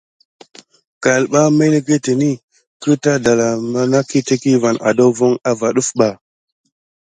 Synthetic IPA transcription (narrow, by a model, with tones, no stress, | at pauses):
ka˨lɓa˦me˦le˦ɡe˦te˨ni˦ | kə˦ta˦da˨la˨ma˦na˦ki˦te˦ki˦va˨na̰˨do˦wvo˦ŋa˦va˨ɗu˦fɓa˨